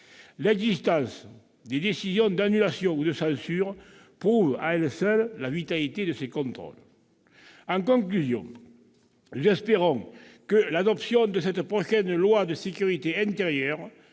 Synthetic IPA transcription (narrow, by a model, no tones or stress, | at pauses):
lɛɡzist̪ɑ̃sə | d̪ed̪esizjɔ̃nd̪anylasjɔ̃ud̪əsɑ̃nsyʁə | pʁuvəaɛlsœlːavit̪alit̪ed̪əsekɔ̃nt̪ʁɔ̰l | ɑ̃ŋkɔ̃ŋklyzjɔ̰̃ŋ | nuzɛspeʁɔ̃ŋkəlad̪ɔpsjɔ̃nd̪əs̬ɛt̪əpʁoʃɛnəlwad̪əsekyʁit̪eɛ̃nt̪eʁjœʁ